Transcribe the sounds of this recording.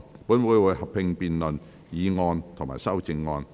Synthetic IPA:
puː˨˥nwu˨˧˥jwuː˨˧jhɐ˨p̚pʰːɪ˧ŋpiː˨nlɵ˨n | jiː˨˧ŋɔː˧nt̪ʰʊ˨˩ŋma̰˨˩jsɐ˥wt͡sɪ˧ŋːɔː˧n

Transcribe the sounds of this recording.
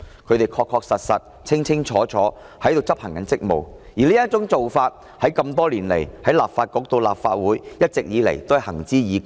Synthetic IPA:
kʰɵ˨˧t̪e˨jkʰɔː˧kʰːɔː˧k̚sɐ˨t̚sɐ˨t̚ | t͡sʰɪ˥ŋt͡sʰɪ˥ŋt͡ʃʰɔː˨˥t͡sʰɔː˨˥ | hɐ˨˥jt̪o˨wt͡sɐ˥p̚hɐ˨˩ŋkɐ˨˥nt͡sɪ˥k̚mo̰˨wjiː˨˩liː˥jɐ˥t̚t͡sʊ˨˥ŋt͡so˨wfaː˧t̚ | hɐ˨˥jkɐ˧mt̪ɔː˥liː˨˩nle˨˩jhɐ˨˥jlaː˨p̚faː˧t̚kɔː˨˧˥k̚t̪o˧wla̰ː˨p̚fa̰ː˧t̚wuː˨˥jjɐ˥t̚t͡sɪ˨k̚jiː˨˧lḛ˨˩jt̪o˥whɐ˨hɐ˨˩ŋt͡siː˥jiː˨˧

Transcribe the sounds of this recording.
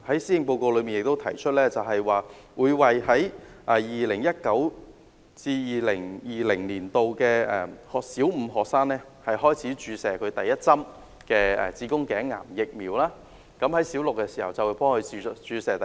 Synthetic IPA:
hɐ˨˥jsiː˥jɪ˨ŋpo˧wko˧wlɵ˨˧ɥmiː˨njɪ˨k̚t̪o˥wt̪ʰɐ˨˩jt͡ʃʰɵ˥t̚lɛː˥t͡sɐ˨wɦɐ˨jwaː˨ | wuː˨˧jwɐ˨jhɐ˨˥jʔɛ˨jiː˨lɪ˨˩ŋjɐ˥t̚kɐ˨˥w | t͡siː˧jiː˨lɪ˨˩ŋjiː˨lɪ˨˩ŋliː˨˩nt̪o˨wkɛː˧ɛː˨˩hɔː˨ksiː˨˥wm̩˨˧ɦɔː˨k̚saː˥ŋlɛː˥ | hɐ˨jhɔː˥jt͡sʰiː˨˥t͡ʃyː˨˧sɛː˨kʰɵ˨˧ɥt̪ɐ˨jːɐ˥t̚t͡sɐ˥m | kɛː˧ɛ̰˨˩t͡siː˨˥kʊ˥ŋkɛː˨˥ŋːa̰ː˨˩mjɪ˨k̚miː˨˧wlaː˥ | kɐ˨˥mhɐ˨˥jsiː˨˥wlʊ˨kːɛ˧siː˨˩hɐ̰˨wt͡sɐ˨wu˨˧˥pɔː˥ŋkʰɵ˨˧t͡ʃyː˨˧sɛː˨˩t̪

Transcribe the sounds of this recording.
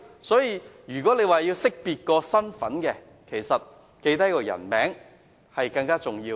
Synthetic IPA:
sɔː˨˥jiː˧jyː˨˩kɔː˨˥le˨˧jwaː˨˧jiː˧wsɪ˥k̚piː˨˧t̚kɔː˧sɐ˥nfɐ˨˥nkɛ˧ | kʰe˨˩jsɐ˨t̚ | ke˧jt̪ɐ˥kɔː˧jɐ̰˨˩nmɛ̰ː˨˥ŋ | hɐ˨jkɐ˧ŋkaː˥t͡sʊ˨ŋjiː˧w

